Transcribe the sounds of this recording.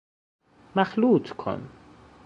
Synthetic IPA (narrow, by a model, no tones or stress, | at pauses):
mæxluːt̪ʰkʰo̰n